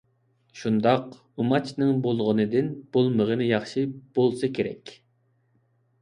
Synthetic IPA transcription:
ʃund̪ɑq | umɑt͡ʃʰnɨŋbolˠʁənɨd̪ɪnb̥olˠməʁənɨjɑχʃib̥olˠsɨkʲʰeɾɛ̰kʲ

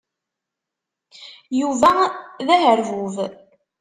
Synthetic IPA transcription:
juvæðæɦəɾvuv

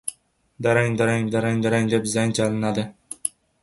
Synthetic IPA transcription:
d̪aɾaŋd̪aɾaŋd̪aɾaŋd̪aɾaŋd̪epzaŋd͡ʒalɪnad̪ɪ

